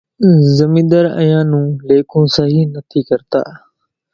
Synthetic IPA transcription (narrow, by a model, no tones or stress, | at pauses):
zəmĩːd̪əɾə̰̃jãːnũːleːkʰũːsəɦiːnət̪ʰiːkəɾt̪a̰ː